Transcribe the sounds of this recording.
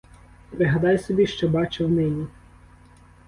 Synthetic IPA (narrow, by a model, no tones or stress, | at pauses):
pɾɪɦɐd̪ɑjsɔbʲiʃt͡ʃɔbɑt͡ʃɪwnɪnʲi